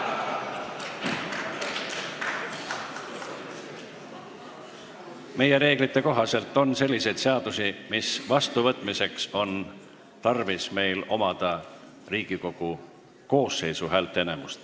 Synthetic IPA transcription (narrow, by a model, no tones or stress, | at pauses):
me̞je̞ɾe̞ːɡ̥lit̪ːe̞ko̞ɦɑse̞lt̪ːˑo̞nse̞lʲːise̞jd̪̥se̞ɑd̪̥usimisvɑst̪uvɤt̪ːˑmise̞kso̞n | t̪ɑrvisme̞jlo̞̰mɑd̪̥ɑ | riːɡ̥iko̞ɡ̥u | ko̞ːsːe̞jsuɦæːlt̪ːˑene̞must̪